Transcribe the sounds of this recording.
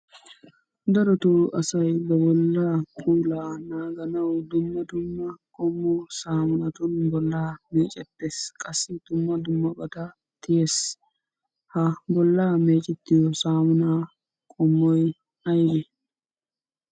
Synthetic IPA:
d̪ɐɾɔt̪uʔɐsɐjbɛbɔlːaːpʼuːlaːnaːɡɐnɐwd̪ʊmːɐd̪ʊmːɐkʼɔmːɔsaːmʊnɐt̪ʊnbɔlːaːmeːt͡ʃʼɛt̪ːeːskʼɐsːɪd̪̥ʊmːɐd̪ʊmːɐbɐt̪ɐ | t̪ɪjes | hɐbɔlːaːmeːt͡ʃʼɛt̪ːɪjɔsaːmʊnaː | kʼɔmːɔj | ɐjɡe

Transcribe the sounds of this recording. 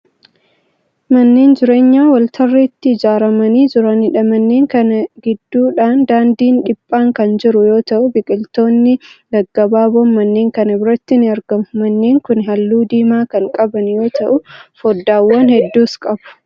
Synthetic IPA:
mɐnːeːnd͡ʒɪɾe̞ːɲːaːwɐlt̪ʰɐrːeːt̪ːɪːd͡ʒaːɾɐmɐniːd͡ʒɪɾɐnɪᶑɐmɐnːeːŋkɐnɐɡɪd̪ːuːᶑaːnd̪aːnd̪iːnᶑɪpʼːaːŋkɐnd͡ʒɪɾʊjo̞ːt̪ɐʔʊbɪkʼɪlt̪o̞ːnːɪd̪ɐɡːɐbaːboːmɐnːe̞ːŋkɐnɐbɪɾɐt̪ːɪnɪɐɾɡɐmʊmɐnːe̞ːŋkʊnɦɐlːuːd̪iːmaːkɐŋkʼɐbɐnjo̞ːt̪ʰɐʔʊfɔd̪ːaːwːɐnhɛd̪ːuːskʼɐbʊ̥

